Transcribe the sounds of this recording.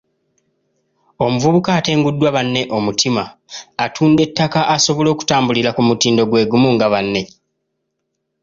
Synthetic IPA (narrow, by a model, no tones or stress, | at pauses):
o̞muvuβukaːte̞ːŋɡudːwaβanːe̞ʔo̞mutʰimaːtʰuːnde̞tːakaʔaso̞βo̞lo̞ːku̥taːmbulilakumutiːndo̞ɡwe̞ːɡumuŋɡaβanːe̞